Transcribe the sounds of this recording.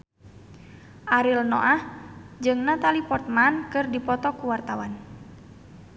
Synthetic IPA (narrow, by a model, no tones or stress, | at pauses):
ʔaɾilnɔ̰ʔahd͡ʒɨŋnat̪alipɔrt̪̚mankɨrdipɔt̪ɔkuwart̪awan